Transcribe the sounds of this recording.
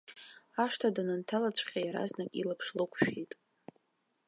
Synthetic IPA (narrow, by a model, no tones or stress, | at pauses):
aʂtʰadanɨntʰalat͡ɕʷʰʼχʲajaɾa̰znakʼilapʰʂlɨkʷʰʼʃᶣejtʼ